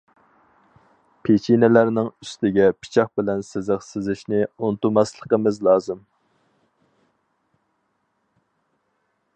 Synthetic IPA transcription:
pʰet͡ʃʰinɛlæɾnɪŋyst̪ɪɡʲɛpʰɪ̥t͡ʃʰɑχ̚bɪlɛnsɪzɪqsɪzɪʃnɪunɨt̪umɑslˠəqəmɨzlˠɑːzɨm

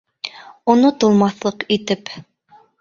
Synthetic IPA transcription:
ŏnot̪ŏlˠmɑθlˠɤqit̪ɘp

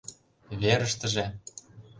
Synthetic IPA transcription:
βeɾə̆ʃt̪ə̆ʒĕ

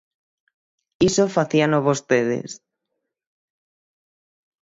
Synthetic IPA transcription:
isofaθianoβost̪eð̞ḛs

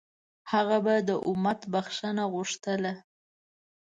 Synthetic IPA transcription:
haɣabad̪əʔʊmat̪baxʂənaɣʊʂt̪əla

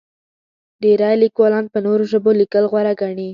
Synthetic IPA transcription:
d̪eɾɑjlikwɑlɑnpənoɾoʒəbolikəlɣwaɾaɡaɳi

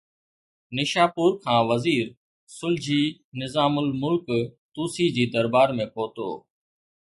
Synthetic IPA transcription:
nɪʃaːpʊːɾkʰãːʋəziːɾ | sʊld͡ʑiːnɪzaːmʊlmʊlkt̪uːsiːd͡ʑiːd̪əɾbaːɾmẽːpoːt̪o̰ː

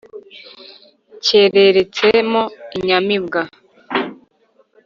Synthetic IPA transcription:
ce̞ɾe̞ɾet͡semoiɲamibɡa

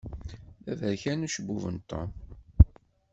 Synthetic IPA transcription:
ævæɾçænuʃəbuvənt̪ˤːɑ̰

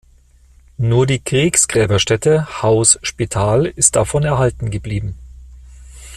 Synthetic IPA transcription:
nuːɐdiːkʁ̥iːksɡ̥ʁɛːbɐʃtɛtəhaʊsʃpitʰaːlɪst̚d̥afɔnɛɐhaltn̩ɡəbliːbm̩

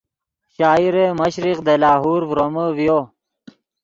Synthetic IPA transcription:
ɕaːiɾemɐɕɾiqd̪elaːɦuːɾvɾoməvjoː

